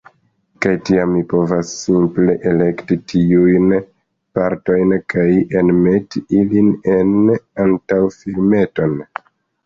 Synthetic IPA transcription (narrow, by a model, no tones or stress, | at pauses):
kajtiamːipo̞vasːimple̞ʔele̞ktitʰiujn | paɾto̞jnkajenme̞tiiline̞nantawfilme̞to̞n